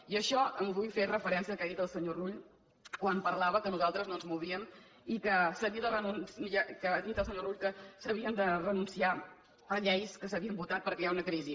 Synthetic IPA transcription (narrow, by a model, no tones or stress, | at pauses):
iəʃɔəmβujferəfəɾɛnsiəkaðit̪əlˠsəɲoruʎ | kwampəɾlaβəkənuzalˠt̪ɾəznonzmuβ̞iəm | ikəsəβiəðərənunsəkəd̪it̪əlˠsəɲoruʎkəsəβiənd̪ərənunsia | əʎɛjskəsəβiəmbut̪at̪̚pəɾkɛjaunəkɾizi